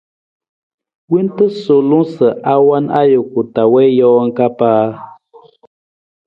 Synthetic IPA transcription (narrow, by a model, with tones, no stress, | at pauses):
wi˦ntə˦so˨lũ˦sə˨ʔa˦wa˦na˦jo˨ku˨ta˨wɛ˦jɔː˦ŋ̩˦ka˦paː˦